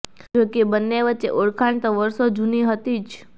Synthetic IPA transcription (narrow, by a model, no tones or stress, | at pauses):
d͡ʒokebənːeʋətːʃḛʔoɭkʰaɳt̪oʋəɾʃod͡ʒuniɦət̪it͡ʃʰ